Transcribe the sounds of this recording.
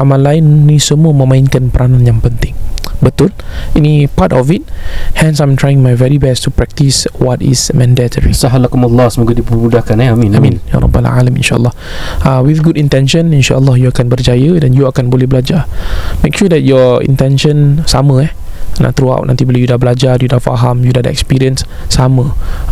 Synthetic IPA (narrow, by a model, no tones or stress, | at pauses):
ʔamãnlːaɪnːisəmuəmə̃mãinkanpəɾanãnjãŋpənt̪ɪ̃ŋbət̪ʊlinipatɔfit̚hɛ̃nsãjmt̪ʰɹajɪ̃ŋmajvɛɹibɛstupɹɛk̚tiswɔtḭsmɛ̃ndɛtʰəɹḭsaɦalakumalːɑsəmuɡadipəmudahkanɛamĩnamĩnja̰ɾˤɔ̰bːa̰la̰lamḭ̃nʃaʔə̰lːɑh | awiθɡudĩnt̪ɛ̃nʃə̃nĩnʃa̰əlːɔhjuakãnbərd͡ʒajədɛ̃njuakanbolɛhblad͡ʒamekʃudɛt̚jɔḭ̃nt̪ɛ̃nʃə̃nsamə̃ɛ | na̰ʔt̪ɾua̰wʔnʔãnt̪ibiləjudahbəlad͡ʒajudahfa̰ɦãmjudahdəɛ̰kspiɹiə̃nsː | amə